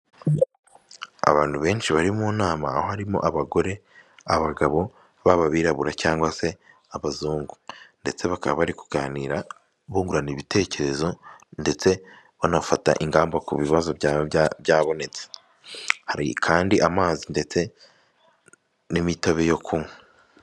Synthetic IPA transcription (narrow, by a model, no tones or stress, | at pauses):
a̰βaːn̥huβe̞ːnʃiβaɾimunaːmaːhohaɾimo̰ʔaβaɡo̞ɾe̞ | aβaɡaβo̞ | βaβaβiːɾaβuɾacaːŋɡwase̞ | aβazuːŋɡu̥nde̞̰t͡se̞βaka̰βa̰βaɾiku̥ɡ̥aːniːɾa | βuːŋɡuɾaniβite̞ːce̞ɾe̞zo̞nde̞t͡se̞ | βanafata̰ʔiŋɡaːmbakṵβiβazo̞βjaːβo̞ne̞t͡se̥ | haɾikʰaːndiʔamaːzinde̞t͡se̞ | nimitoβejo̞kʰume